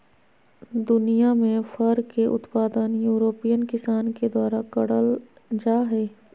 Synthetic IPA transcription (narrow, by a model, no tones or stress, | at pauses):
d̪ʊnijamẽfəɾkːeʔʊ̰t̪paːd̪ənjuːɾoːpijənkɪsaːnked̪waːɾakəɽəl | d͡ʒaːɦɛː